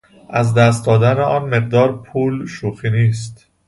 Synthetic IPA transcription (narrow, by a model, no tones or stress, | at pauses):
ʔæzd̪æst̪̚d̪ɒːd̪æneʔɒːnme̞ɢ̚d̪ɒːɾpʰuːlʃuːxiːniːst̪